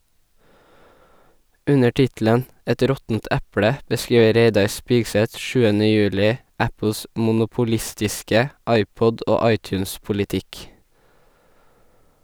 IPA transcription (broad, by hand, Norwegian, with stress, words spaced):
ˈʉnə ˈʈɪtl̩ən ˈɛt ˈɾɔtn̩t ˈʔʉpɽə bəˈskɹiːʋə ˈɾeɪdɑɾ ˈspɪɡsɛt ˈʃʉːənə ˈjʉːlɪ ˈæpl̩s ˌmʊnʊpʊˈlɪstɪskə ˈɑɪˌpɔd ˈoː ˈɑɪˌtjʉːnspʊlɪˌtɪk